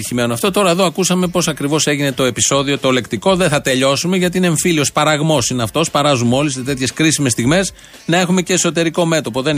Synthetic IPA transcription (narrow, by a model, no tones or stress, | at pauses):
içime̞noɐft̪ot̪o̞ɾɐeðoɐkusɐme̞po̞sɐkɾivo̞se̞ʝine̞t̪o̞e̞piso̞ðio̞t̪o̞le̞kt̪iko̞ðeθɐt̪e̞ʎo̞sumeʝɐt̪iineɱfilio̞spɐɾɐɣmo̞sineɐft̪o̞spɐɾɐzumo̞liset̪e̞t̪çe̞skɾisime̞st̪iɣme̞s | nɐe̞xume̞ceːso̞t̪e̞ɾiko̞me̞t̪opo̞ðen